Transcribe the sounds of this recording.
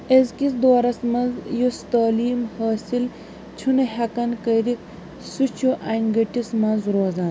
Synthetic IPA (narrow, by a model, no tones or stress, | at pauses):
ezkisd̪oːɾɐsmɐnzjust̪aːliːmhɐːsil | t͡ʃʰunɐɦʲɐkɐnkɐjɾik | sut͡ʃʰuʔɐjnɡɐʈismɐnzɾoːzaːn